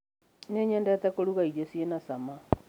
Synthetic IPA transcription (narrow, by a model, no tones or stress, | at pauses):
neɲɛndɛtɛkoɾuɣaiɾesienasama